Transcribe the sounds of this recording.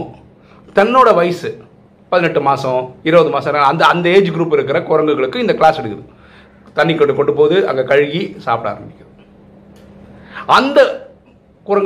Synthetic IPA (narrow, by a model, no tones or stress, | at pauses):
t̪ɐnːoːɽɐʋɐjsɯ | pɐðɪnɛʈːɯmaːsɐ̃ɪɾɯʋɐðɯmaːsɐ̃ɪɾɐnd̪ɐːnd̪ɐeːd͡ʒɯɡɪɾuːpːɪɾɯk̬ːɪɾɐkʊɾɐŋɡɯɣɐɭɯkːɯɪnd̪ɐkɭaːsɛɽɯkːɯðɯ | t̪ɐɳːikːɐʈːɯkɔɳɖːɯpːoːðɯɐ̰ŋɡekɐɻɣisa̰ːpɽa̰ːɾɐmbɪkːɐ | ɐnd̪ɐ | kʊɾɐŋ